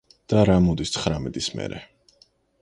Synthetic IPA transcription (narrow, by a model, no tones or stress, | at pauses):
d̪̥aɾamɔd̪ist̪sʰχɾamɛd̪ʼismɛ̰ɾɛ